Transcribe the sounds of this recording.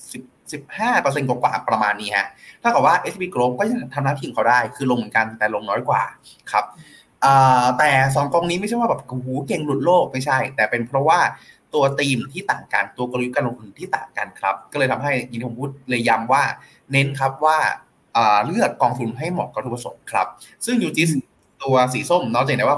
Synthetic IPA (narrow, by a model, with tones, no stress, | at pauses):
si˨˩p̚si˨˩p̚haː˥˩pɤː˧s̬e˧nkɔ˨˩˦kwa̰ː˨˩pɾa˧maː˧nːiː˦˥ha̰˦˥ʔt̪ʰa˥˩kɔː˨˩waː˥˩ʔe˦˥sbiː˧kɾoː˧mkɔː˥˩ja˥˩˧t̪ʰa˧naː˦˥t̪ʰi˨˩ŋkʰwdaː˥˩jkʰɯː˧lo˧ŋmɨː˨˩˦nka˧n˧t̪ɛː˨˩lo˧ŋnɔː˦˥jkwa̰ː˨˩ | kʰɾa˦˥p̚ | ʔɤː˨˧˩t̪ɛː˨˩s̬ɔː˨˩˦ŋko˧ŋniː˦˥m˥˩jt͡ɕʰjwaː˥˩bɛː˨˩p̚ku˧uː˨˦ke˧ŋlu˦˥t̪̚loː˥˩k̚ma˥˩jt͡ɕʰa˥˩jt̪ɛː˨˩pe˧npʰɾɔ˦˥waː˥˩ | t̪u˧ɐt̪iː˧mt̪ʰiː˥˩t̪a̰ː˨˩ŋka̰˧nt̪u˧ɐkp̚kaː˧nlo˧ŋt̪ʰu˧nt̪ʰiː˥˩t̪a̰ː˨˩ŋka̰˧˩nkʰɾa˦˥p̚kɔː˥˩lɤː˧jt̪ʰa˧mɦa˥˩ja˨ŋni˦˥pʰo˨pʰuː˦˥t̪̚lɤ˧jːa˧mwaː˥˩ | ne˦˥nkʰɾa˦˥p̚waː˥˩ | ʔɤː˨˩lɯ˥˩əkːɔː˧ŋt̪ʰu˧nɦa˥˩jmɔ̰˨˩kːa˨˧t̪ʰu˧˥pɾa˧so̰˩˦mkʰɾa̰˦˥p̚sɯ˥˩ŋjuː˧˩t͡ɕi˦˥s | t̪u˧ɐsiː˩˦so˥˩mnɔː˦˥˩t͡ɕa˨˩da˧˦jwaː˥˩